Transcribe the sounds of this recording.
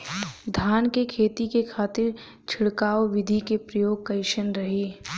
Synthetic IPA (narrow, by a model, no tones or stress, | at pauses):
d̪ʱaːnkekʰeːt̪ikekʰaːt̪ɪɾ | t͡ʃʰɪɽkaːwʋɪd̪ʱikepɾɐjoːɡ̚kɐɪʃənɾɐɦiː